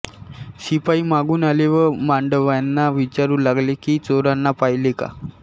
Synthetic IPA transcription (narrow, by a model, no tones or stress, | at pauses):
sipaiːmaɡuːnaleʋəɾmaɳɖəʋanːaʋit͡ɕaɾuːlaɡlekiːt͡soɾanːapaɦileka̰